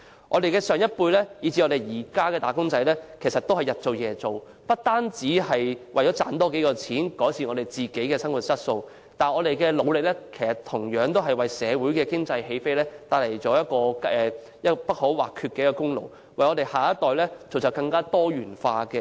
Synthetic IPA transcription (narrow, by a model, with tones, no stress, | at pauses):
ŋʔɔː˨˧d̪e˨jkɛː˧sœː˨˩ŋjɐ˥t̚puː˧jlɛː˥jiː˨˧t͡si˧ŋɔ˨˧d̪e˨jjiː˨˩kaː˥kɛː˧t̪aː˨˩kʊ˥ŋt͡sɐ˧jlɛː˥kʰe˨˩jsɐ˨t̪o˥whɐ˨jɐ˨t̚t͡so˨wjɛː˨˧t͡so˨w | pɐ˥t̚t̪aː˥nt͡siː˨˥hɐ˨jwʔɐ˨jt͡ʃɔː˨˥t͡sa̰ː˨˥nt̪ɔː˥ke˨˥jkɔː˧t͡sʰiː˨˥nkɔː˨˥jsiː˨˩ŋɔː˨˧ɾe˨˩jt͡siː˨˩ke˨˥jkɛː˧sɐ˥ŋwu˨t̚t͡sɐ˥t̚so˧w | t̪aː˨nɔː˨˧ɾe˨jkɛː˧lo˨˧wlɪ˨k̚lɛː˥kʰe˨˩jsɐ˨tt̪ʰʊ˨˩ŋjœː˨˥ŋt̪o˥wɦɐ˨jwɐ˨jsɛː˨˧wuː˨˥jkɛː˧kɪ˥ŋt͡sɐ˧jhe˧jfe˥jlɛː˥t̪aː˧˩le˨˩jt͡ʃɔː˨˥jɐ˥t̚kɔː˧ɛː˨ | jɐ˥pɐ˥t̚ho˨˥wwa̰ː˨kʰy˧kɛː˧jkːɔː˧kʊ˥ŋlo̰˨˩w | wɐ˨jɔː˨˧d̪e˨jhaː˨˩jɐ˥t̚t̪ɔː˨jlɛː˥t͡so˨wt͡sɐ˨˩kɐ˧ŋkaː˥t̪ɔː˥ɥyː˨˩nfaː˧kɛ˧